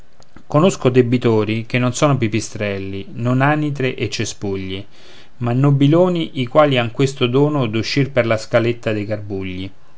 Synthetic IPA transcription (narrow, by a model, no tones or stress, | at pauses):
konoskod̪ebːit̪oːɾik̟enːonsɔːnop̬ipist̪ɾɛlːinonaːnit̪ɾeʔet͡ʃːespuʎːi | manːobːiloːniʔikwaːliaŋkwest̪od̪ɔːnod̪uʃːirperlaskalet̪ːad̪ejɡarbuʎːi